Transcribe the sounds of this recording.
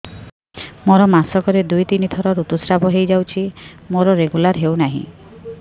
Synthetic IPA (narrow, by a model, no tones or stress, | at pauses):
moɾɔmasɔkɔɾed̪ujt̪inid̪ʱʰɔɾɔɾut̪usɾabʱɔɦejd͡ʒawt͡ʃʰimoɾɔɾeɡulaɾɦewnaɦḭ̃